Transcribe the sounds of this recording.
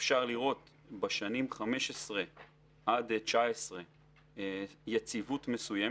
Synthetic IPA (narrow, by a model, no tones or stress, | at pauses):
fʃaʁliʁo̞t̪ | beʃanimχame̞ʃesʁe̞ | ʔad̪t͡ʃaesʁe | jet͡sivutme̞suje